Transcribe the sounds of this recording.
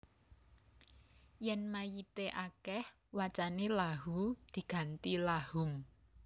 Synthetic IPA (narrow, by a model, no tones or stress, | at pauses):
jɛnmajit̪eʔakɛh | wat͡ʃanelaɦud̪̥i̤ɡ̥a̤nt̪ilahʊm